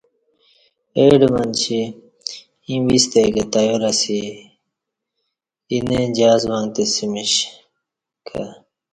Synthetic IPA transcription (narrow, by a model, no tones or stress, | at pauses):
eːɖmɐnt͡ɕʰi | ĩːwist̪ekɐt̪ɐjoɾɐsi | ined͡ʑaːzwãŋɡt̪esimiɕ | kʰa̰